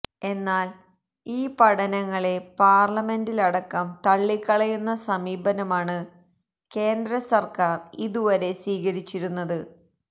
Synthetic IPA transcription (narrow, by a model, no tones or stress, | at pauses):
e̞nːaːl | iːpɐɽɐnɐŋːɐɭe̞paːrlɐme̞ndilɐɽɐkːɐmt̪ɐɭːikːɐɭɐjunːɐsɐmiːbɐnɐmaːɳɨ | ke̞ːnd̪ɾɐsɐrkaːriðuʋɐɾe̞sʋiːɣɐɾit͡ɕːiɾunːɐðɨ